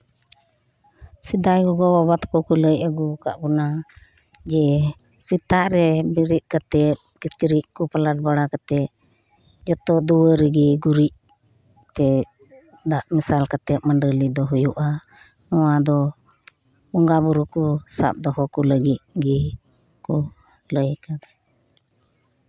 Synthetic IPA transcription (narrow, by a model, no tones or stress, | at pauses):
sid̪ajɡɔɡɔbabat̪kɔkuləjaɡuka̰ʔbɔna | d͡ʒɛ | sit̪aʔɾɛbiɾit̪̚ˀkat̪ɛt̪̚kit͡ʃɾiʔkupalaʈ̚baɽakat̪ɛt̪̚ | d͡ʒɔt̪ɔʔd̪uwəɾɛɡiɡuɾiʔ | t̪ɛ | d̪aʔmisalkat̪ɛt̪̚məɳɖəlid̪ɔɦujuʔa | nɔwad̪ɔ | ɔŋɡabuɾukusa̰p̚d̪ɔɦɔkuləɡit̪̚ɡi | kɔ | ləjkad̪ɛ